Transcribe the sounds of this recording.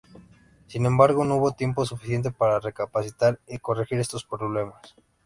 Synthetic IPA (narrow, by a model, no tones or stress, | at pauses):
sinẽ̞mbaɾɣo̞nouβo̞t̪je̞mpo̞sufisje̞nt̪̬e̞paɾare̞kapasit̪aɾiko̞rexiɾe̞st̪o̞spɾoβle̞mas